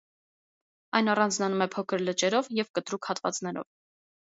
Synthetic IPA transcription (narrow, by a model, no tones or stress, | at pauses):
ɑjnɑrɑnd͡znɑnumɛpʰɔkʰəɾlət͡ʃɛɾɔvjɛvkət̪ɾukhɑt̪vɑ̰t͡snɛɾɔ̰v